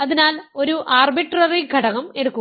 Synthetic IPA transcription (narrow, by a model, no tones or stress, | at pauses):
ɐðinaːlo̞ɾuʔaːrbiʈrɐriɡʱɐɽɐɣɐme̞ɽukːu